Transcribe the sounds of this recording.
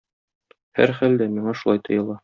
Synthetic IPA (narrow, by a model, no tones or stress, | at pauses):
hæ̰ɾχæld̪æmiɴɑʃulˠɑjt̪ɤ̆jɤ̆lˠɑ